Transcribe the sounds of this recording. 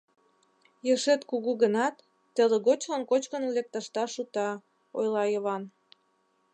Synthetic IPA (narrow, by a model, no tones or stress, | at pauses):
jəʃet̪kuɣuɣənɑt̪ː | əleɣot͡ɕlənkot͡ɕkənlek̚t̪ɑʃt̪ɑʃut̪ɑ | ojlɑjəβɑn